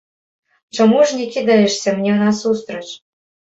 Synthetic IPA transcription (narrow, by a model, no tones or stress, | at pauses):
t͡ɕɤ̆muʒnʲekʲid̪ɑɘ̆ʃsĕmnʲenɑsust̪ɾɤ̆t͡ɕ